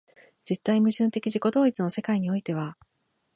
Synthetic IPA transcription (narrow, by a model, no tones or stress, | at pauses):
z̥e̞t̪ːaimɯ̟ʑɨ̃nt̪e̞kʲiʑiko̞d̪o̞ːit͡sɨno̞se̞kaiɲ̟io̞it̪e̞βa